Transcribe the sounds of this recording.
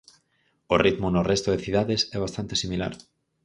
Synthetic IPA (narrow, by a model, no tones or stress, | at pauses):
orit̪mʊnorɛst̪oðeθiðaðesɛβast̪ant̪e̥simila̰ɾ